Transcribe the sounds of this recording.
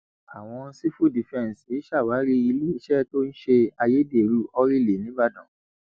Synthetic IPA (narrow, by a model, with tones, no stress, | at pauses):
a˨w̃ɔ̃˧˦si˦fu˦˨di˨fɛ̃˦˨n˨si˨˦ʃa˦˨waː˨˦ɾi˦i˧li˦i˧ʃɛ˦to˦n̩˦ʃe˧a˧je˦de˦˨ɾu˨˦ɔ˧ɾi˦˨le˨˦nĩ˦ba˦dã˦˨